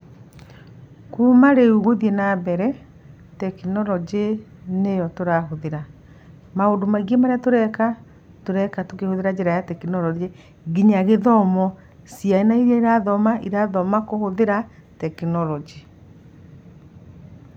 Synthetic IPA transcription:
kumaɾeuɣoðienabɛɾɛ | tɛkinɔlɔd͡ʒenejɔtoɾaɦoðeɾa | maodomaiɣiemaɾeatoɾɛka | toɾɛkatokehoðeɾad͡ʑɛɾajatɛkinɔɾɔe | ɡiɲaɣeðɔmɔ | siaenaiɾjaiɾaðɔmaʔiɾaðɔmakohoðeɾatɛkinɔlɔd͡ʒi

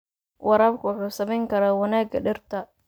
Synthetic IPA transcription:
wʔɑɾaːrkʰʊwʊħuːsɐmɛjŋkʰɐɾaːwɑnaːɡɐɖɪrt̪ʰɐ

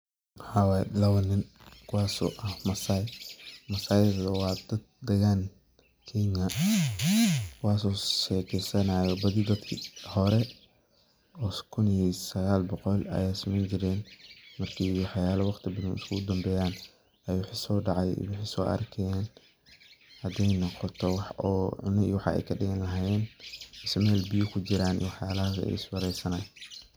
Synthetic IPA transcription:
ħawaɛ̰lɐβɐnɪnkʰʊwɑːsɔ̰ːʔɐhmɐsajmɐsaːjwɑːd̪̥ɐd̪̚d̪ɐɣaːŋ | kʰɛŋɐ | kʰʊwɑːsɔːʃɛːkʰɛjsɐnɐjɔbɐðid̪ɐt̪kʰḭhɔɾɛ | ɔːskʰʊniːsɐɣaːlbɔqɔlɐ̰jaːsɪmɛnt͡ʃɪɾɛːnmɐrkʰiwɑħjaːlɐwɑqt̪ʰɪbɐðɐnʔɪskʰʊɣʊd̪ɐmbɛːjaːn | ʔɐjɛwʊħisɔːɖɑʕɑj̰wɑħiːsɔ̰ːʔɐ̰rkʰɛn | hɐd̪ɛjnɔqɔt̪ʰɔwɑħɔːʕʊ̰nɪḭwɑħʔɛ̰jkʰɐɖɪɣɐnlɐɦaːjɛːnɪsmɛːlbiːkʰʊt͡ʃɪɾaːnḭːwɑħjaːlɐɦaɐʔɛ̰jɪswɐɾɛjsɐnaːj

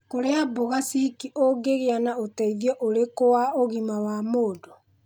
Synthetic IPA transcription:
koɾeaboɣasikiʔoɡeɣeanaotaiðjɔʔoɾekowaoɣimawamoːdo

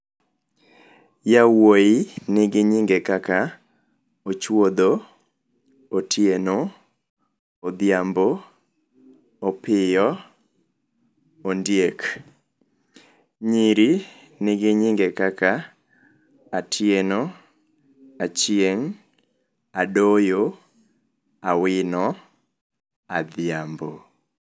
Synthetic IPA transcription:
jawojinɪɡɪɲiŋɡekaka | ot͡ʃwod̪o | tʰjeno | d̪jambo | opɪjɔ | ondjek | ɲiɾi | nɪɡɪɲiŋɡekaka | atʰjeno | at͡ʃijeŋ | adojo | awɪnɔ | ad̪jambo

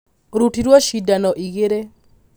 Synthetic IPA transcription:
ɾutiɾwaʃidanɔʔiɣeɾe

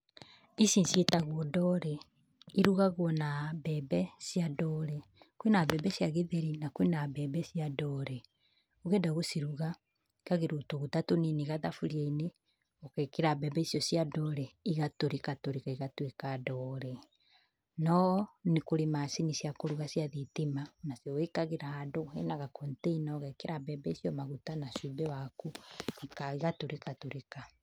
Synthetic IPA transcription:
isinsjetaɣwɔdɔɾɛ | iɾuɣaɣwɔnabɛbɛsjadɔɾɛkwenaβɛbɛsjaɣeðeɾinakwenaβɛbɛsiadɔɾɛ | oɣɛːndaɣosiɾuɣa | ikaɣeɾotoɣutatoniniɣaðafuɾiaine | ɔkekeɾaβɛːbɛisjɔsjadɔɾɛiɣatoɾekatoɾekaiɣatwekadɔɾɛ | nɔnikoɾemasinisjakoɾuɣasjaðitimanasjɔwekaɣeɾahadoḛnaɣakʰɔnteinɔɔɣɛkeɾabɛbɛisiɔmaɣutanaʃubɛwakuikaiɣatoɾekatoɾeka

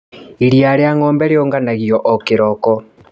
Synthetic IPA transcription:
iɾjaɾeaŋɔːmbɛɾejɔːŋɡanaɣjɔʔɔkɪɾɔkɔ

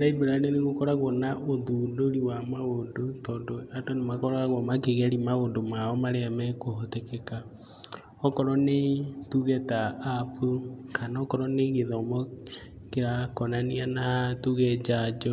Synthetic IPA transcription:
eɾaibeɾaneneɣokɔɾaɣɔnaʔoðuːndoɾiwamaoːndotɔːndoatonemakɔɾɔaɣɔmakeɣɛɾimaondomaɔmaɾɛamɛkohotɛkɛka | ɔkɔɾɔnetuɣɛtaːpʰukʰanɔkɔɾɔneɣeðɔmɔ | keɾakɔnanianatuɣɛd͡ʒad͡ʒɔ

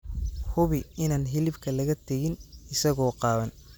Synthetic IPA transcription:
hʊβɪɪnaːnɦɪlɪbkʰɐlɐɣɐt̪ʰɐɣɪnɪsɐɣɔːqɑːβɐn

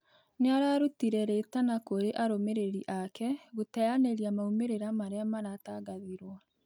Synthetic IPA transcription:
neaɾaɾutiɾɛɾetanakoɾeʔaɾomeɾeɾiʔakɛɣotɛaneɾiamaumeɾeɾamaɾeamaɾataɡaðiɾwa

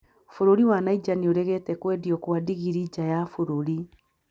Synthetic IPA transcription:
foɾoɾiwanaid͡ʒanioɾɛɣɛtɛkwɛdiɔkwadiɣiɾid͡ʒajafoɾoɾi

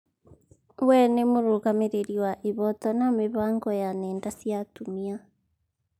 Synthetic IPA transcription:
wɛnemoɾokameɾeɾiwaʔiβɔtɔnameβaːŋɡɔjanɛːndasjatumia

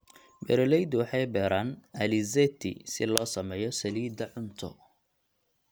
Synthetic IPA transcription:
bɛ̰ɾɔlɛjd̪wɑħɑjbɛːɾaːnɐlɪzɛt̪ʰɪ̰sɪlɔːsɐmɛːjɔsɐliːd̪ɐʕʊnt̪ʰɔ̰

